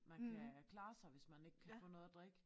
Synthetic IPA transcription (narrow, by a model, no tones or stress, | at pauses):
mænkʰækʰlɑ̈ːsɑ̈ɪʋe̝smæne̝ɡ̥kʰæfɔ̰̽ːnɔ̽ːðˠəd̥ʁɛɡ̥